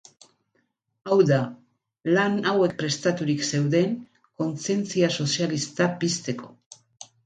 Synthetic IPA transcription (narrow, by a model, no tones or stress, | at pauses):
awða | lanawe̞k̚pɾe̞st̪at̪uɾikse̞wðe̞ŋ | ko̞nt͡sie̞nt͡siaso̞sialist̪apist̪e̞ko̞̥